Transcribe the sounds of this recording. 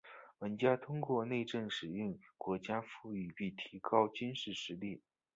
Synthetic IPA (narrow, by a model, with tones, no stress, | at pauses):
wə˧˥nt͡ɕja˥t̪ʰʊ˥ŋkwɔ˥˧ne˥˧ɪʈ͡ʂə˥˩ŋʂɻ̩˨˩y˥˩ŋkwɔ˧˥t͡ɕja˥fu˥˧y˥˩pi˥˩t̪ʰi˧˥kɑ˥ʊt͡ɕy˥nʂɻ̩˥˩ʂɻ̩˧˥li˥˩